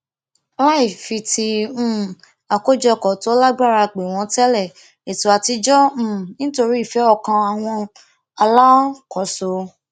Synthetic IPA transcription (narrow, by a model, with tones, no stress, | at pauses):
la˦i˦˨fi˧tĩ˧˦ | a˨ko˦d͡ʒɔ˧kɔ˨to˨˦la˦ɡ͡ba˦˨ɾa˧˨k͡pe˨w̃ɔ̃˧tɛ˦lɛ˦˨ | e˨tu˨a˧ti˧d͡ʒɔ̃˦˨nĩ˦to˧ɾi˦i˦˨fɛ˨˦ɔ˦˨kã˧a˨w̃ɔ̃˧ | a˧la˦kɔ˨so˧